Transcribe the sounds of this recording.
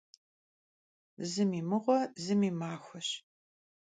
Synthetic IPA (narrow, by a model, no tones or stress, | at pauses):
zɨmiːmɨʁʷɔzɨmiːmaːxʷɐɕ